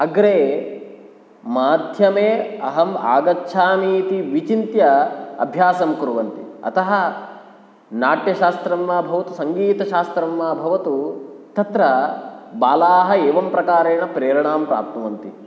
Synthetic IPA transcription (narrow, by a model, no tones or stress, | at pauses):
ɐɡɾeː | maːd̪ʱjɐmeːɐɦɐma̰ːɡɐtːʃʰaːniːt̪iʋit͡ʃint̪jɐɐ̰bʱjaːsɐmkuɾuʋɐnt̪iɐ̰t̪ɐɦɐ | naːʈjɐʃaːst̪ɾɐmːaːbʱɐʋɐt̪usɐŋɡiːt̪ɐʃaːst̪ɾɐmːaːbʱɐʋɐt̪ut̪ɐt̪ɾɐbaːlaːɦɐeːʋɐmpɾɐkaːɾeːnɐpɾeːɾɐɳaːmpɾa̰ːp̚t̪ɐʋɐnt̪i